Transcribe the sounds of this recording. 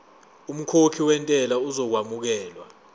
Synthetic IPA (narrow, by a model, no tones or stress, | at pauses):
um̩kʰokʰiwɛntʼɛlauzɔk̬wamuk̬ɛːlwa